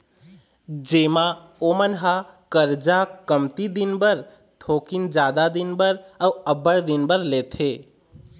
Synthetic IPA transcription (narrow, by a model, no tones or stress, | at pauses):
d͡ʒema | omənɦakəɾd͡ʒakəmt̪id̪inbəɾ | t̪ʰokind͡ʒad̪ad̪inbəɾəuəbəɽd̪inbəɾlet̪ʰe